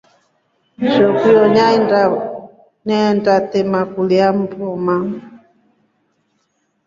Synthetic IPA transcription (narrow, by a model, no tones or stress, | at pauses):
ʃɔkiɔɲaɛa | nɛndatɛmakuliam̩pɔma